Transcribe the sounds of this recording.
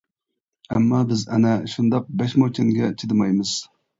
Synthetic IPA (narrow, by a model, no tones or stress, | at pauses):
ɛmːɑbɪzɛ̰nɛʃund̪ɑq̚bɛʃmot͡ʃʲʰinɡʲɛt͡ʃʰid̪ɨmɑjmɨz̥